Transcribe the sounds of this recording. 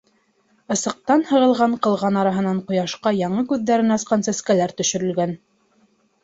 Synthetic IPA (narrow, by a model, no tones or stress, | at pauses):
ɤ̆sɤ̆q̚t̪ɑnhɤ̆ʁɤ̆lˠʁɑɴqɤ̆lˠʁɑnɑɾɑɦɤ̆nɑɴqŏjɑʃqɑjɑɴɤkʉðːæɾɘnɑsqɑnsæskælæɾt̪ɵ̆ʃɵ̆ɾɵ̆lɡæn